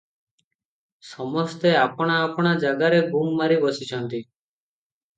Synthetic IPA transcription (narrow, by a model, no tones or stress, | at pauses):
sɔmɔst̪eapɽ̃aːpɽ̃ad͡ʒaɡaɾebʱuŋɡmaɾibɔsit͡ʃʰɔnt̪i